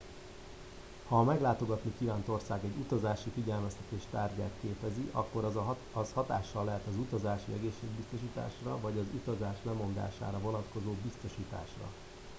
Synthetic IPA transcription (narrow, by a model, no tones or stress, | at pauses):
hɒːmɛɡlaːt̪o̞ɡɒt̪nikiːvaːnt̪o̞rsaːɡɛɟut̪ɒzaːʃifiɟɛlmɛst̪ɛt̪eːʃt̪aːrɟaːt̪keːpɛziʔɒ̰kːo̞ɾ | ɒshɒt̪a̰ːʃːɒlːɛɦɛt̪ɒzut̪ɒzaːʃiɛɡeːʃːeːɡ̚bist̪o̞ʃiːt̪a̰ːʃrɒvɒɟɒzut̪ɒzaːʃlɛmo̞nd̪a̰ːʃa̰ːɾɒvo̞nɒt̪ko̞zoːbist̪o̞ʃiːt̪a̰ːʃrɒ̰